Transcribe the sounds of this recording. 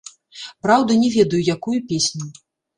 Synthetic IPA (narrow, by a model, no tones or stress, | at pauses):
pɾawd̪ɐnʲɛvʲɛd̪ɐjujakujupʲesʲnʲu